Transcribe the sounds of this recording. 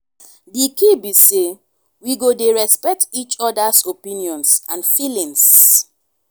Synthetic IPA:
dikibise | wiɡodeɹɛspɛk̚tit͡ʃɔdasopĩniɔ̃nsãnfilĩŋs

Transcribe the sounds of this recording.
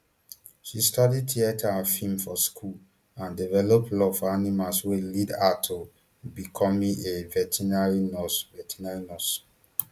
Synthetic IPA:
ʃistɔdid̚tiatʰaafĩmfɔskʰul | ãndivɛlɔplɔfɔanimaswelidatʰo | bikʰɔmĩevɛtʰinaɹinɔsvɛtʰinaɹinɔs

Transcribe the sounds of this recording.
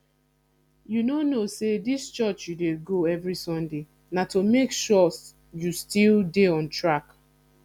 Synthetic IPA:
junonosedist͡ʃɔt͡ʃjudeɡoɛvɹisɔ̃nde | natomekʃɔs | justildeɔ̃ntɹak

